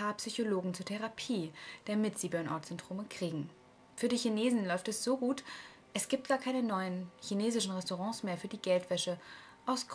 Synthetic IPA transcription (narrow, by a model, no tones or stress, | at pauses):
aːpsyçoloːɡŋ̩t͡suːɐtʰɛʁapʰiːd̥amɪtz̥iːbœɐnʔa̰ɐtz̥ɛndʁ̥oːməkʁ̥iːɡŋ̩ | fyːɐdiːçineːzn̩lɔʏftɛsz̥oːɡuːt | ʔɛsɡ̥iːp̚t̚ɡ̥aːɐkʰaɪnənɔʏənçineːzɪʃn̩ʁɛstoʁɑ̃ːsmeːɐfyːɐdiːɡɛltv̥ɛʃə | ʔaʊsɡ